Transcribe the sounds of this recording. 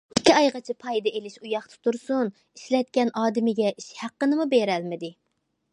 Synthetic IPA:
ikʲʰːiɑjʁɑt͡ʃʰipʰɑjd̪ɛelɪʃujɑχt̪ʰu̥t̪ʰuɾsun | iʃlɛt̪̚kʲɛnʔɑːd̪ɪmɪɡʲɛʔiʃhæqːənɨmubeɾɛlmɪd̪ɪ

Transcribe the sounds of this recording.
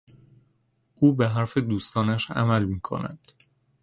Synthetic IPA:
ʔuːbeɦæɾfed̪uːst̪ɒːnæʃæ̰mælmiːkʰo̞̰næ̰d̪̥

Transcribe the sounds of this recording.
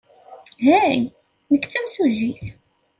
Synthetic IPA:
ɦæj | nəkːt͡sːæmsuʒiθ

